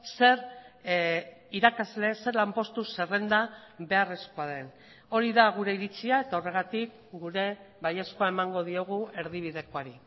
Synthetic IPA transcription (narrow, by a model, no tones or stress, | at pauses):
se̞ɾ | iɾakazle̞se̞ɾlampo̞st̪use̞re̞nd̪aβe̞are̞skoaðe̞n | o̞ɾiðaɣ̞uɾe̞iɾit͡siae̞t̪ao̞re̞ɣat̪ik | ɡuɾe̞ | βajeskoaemaŋɡo̞ð̞io̞ɣ̞ue̞ɾðiβ̞iðe̞ko̞aɾi